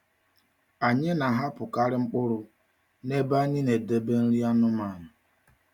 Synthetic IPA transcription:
a˨ɲɪ˦na˨ɦa˦pʊ˨ka˦ɾɪ˦ŋ͡m̩˦k͡pʊ˦ɾʊ˨ | ne˦ba˦ɲɪ˦ne˨de˦be˦n̩˦ɾi˦a˦nʊ˦ma˨nʊ˨

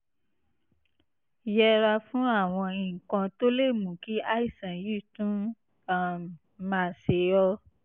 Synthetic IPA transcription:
jɛ˧ɾa˧fũ˦a˦˨w̃ɔ̃˧ĩ˨kɔ̃˧to˦le˦˨mũ˨ki˦a˦i˦˨sã˨ji˦˨tũ˦ | a˦˨ | mã˨se˨ɔ˧

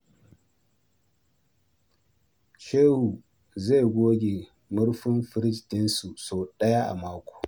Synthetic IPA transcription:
ʃe˦hu˨ | ze˦˨ɡʷoː˦ɡʲe˨ | mʊ˦ɽɸʊ˦mɸɪ˦ɾɪ˦stɪ˦nsu˨soː˨ɗɐ˦ja˦ʔa̰˨maː˦kʷo̥ː˨

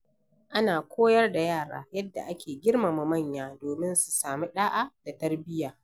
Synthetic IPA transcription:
ʔa˦naː˨kʷoː˦jɐ˦rda˨jaː˦˨ɽa̰ː˦jɐ˦dːa̰˨ʔa˦kʲʰeː˨ɡʲɪ˦rma˨mɐ˨mɐ˦˨ɲjaː˦doː˨mɪ˦nsu̥˨saː˨mi˦ɗaː˦ʔa˦d̥a˨tɐ˦rbɪ˦jaː˨

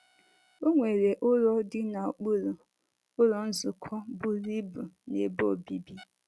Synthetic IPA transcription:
o˦ŋʷe˨ɾe˨ʔʊ˦ɾɔ˦dɪ˦na˨o˨k͡pu˦ɾu˨ | ʊ˦ɾɔ˦n̩˦zʊ˨kʰɔ˦bʊ˦ɾi˦bu˨ne˨bo˦˨bi˦bi˦

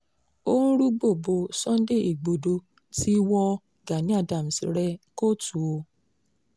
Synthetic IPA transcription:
o˦ɾu˦ɡ͡bo˦˨bo˧sɔ̃˦n̩˦de˦˨i˨ɡ͡bo˨do˧ | ti˦wɔ˧i˨ɡa˨nĩ˨˦a˦˨da˨m̩˨si˨ɾɛ˧ko˦tu˨o˧

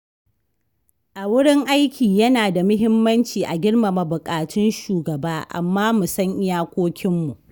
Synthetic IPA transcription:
ʔa˨wʊ˦ɽɪ˦ŋʔa˦jkʲʰiː˨jɐ˦naː˨da˨mʊ˦ɦɪ˦mːɐ˦nt͡ʃiː˨ʔa˨ɡʲɪ˦ɽma˨ma˨bʊ˨kʼaː˨tɪ˦nʃuː˨ɡɐ˨baː˦ʔa̰˨mːaː˦mʊ˨sɐ˦ŋʔɪ˦jaː˦kʷoː˦kʲɪ˦mːu˨ʔ

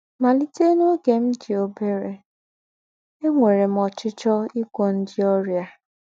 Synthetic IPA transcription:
ma˨li˦te˦no˦ɡe˨m̩˦di˨o˨be˦ɾe˨ | e˦ŋʷe˨ɾe˨m̩˨ɔ˨t͡ʃɪ˦t͡ʃɔ˦i˦kʷo˦n̩˦dɪ˦ɔ˦ɾja˦

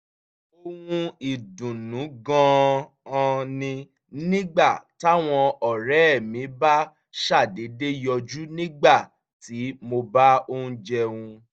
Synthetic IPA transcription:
o˧wũ˧i˨dũ˨nũ˨˦ɡɔ̃˦˧ | ɔ̃˧nĩ˧ | nĩ˦ɡ͡ba˦˨ta˦w̃ɔ̃˧ɔ˨ɾɛ˦˨mĩ˨˦ba˦ | ʃa˦˨de˨˦de˦jɔ˧d͡ʒu˦nĩ˦ɡ͡ba˦˨ | ti˨˦mo˧ba˦o˦ũ˧˦d͡ʒɛ˧wũ˧

